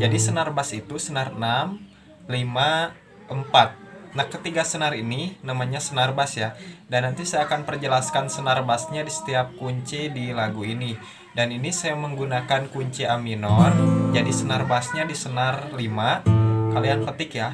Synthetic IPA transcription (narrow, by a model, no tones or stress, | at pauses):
d͡ʒadisənarbasit̪usənarənam | lima | ʔəmpat̪̚nakːət̪iɡasənaɾininamaɲasənarbasjadanːant̪isajaːkanpərd͡ʒəlaskansənarbasɲadisə̥t̪iap̚kuɲt͡ʃidilaɡuini | daninisajaməŋɡunakankuɲt͡ʃiaminɔrd͡ʒadisənarbasɲadisənarlimakalianfət̪ɪkja